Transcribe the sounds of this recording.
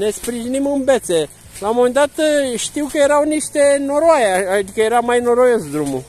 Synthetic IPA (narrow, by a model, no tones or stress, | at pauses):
ne̞spɾiʒinimɨnve̞t̪se̞ | lawmoment̪at̪ʃt̪iwkəje̞ɾawniʃt̪e̞no̞ɾoajaad̪ikəje̞ɾamajnoɾojosd̪ɾumu